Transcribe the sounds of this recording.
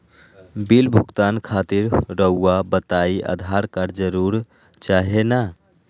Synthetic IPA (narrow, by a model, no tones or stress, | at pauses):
bilbʱuɡt̪ankʰaːt̪iɾɾəuːabət̪aiʔə̰d̪ʱaɾkəɾd͡ʒəɾuɾ | t͡ʃaɦena